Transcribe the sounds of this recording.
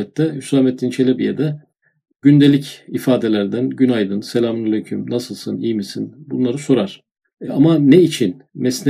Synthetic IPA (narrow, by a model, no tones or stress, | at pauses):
ɛt̪ːɛhysamɛt̪ʰːint͡ʃʰe̞lʲebijed̪ɛ | ɟ̥ynd̪elʲicifaːd̪e̞lʲæɾd̪ænɟynajd̪ɯnselʲaːmunelʲecʰymnasɯlˠsɯnijmisinbunlˠaɾɯso̞ɾaɾ̥ | amanɛit͡ʃʰinmɛsn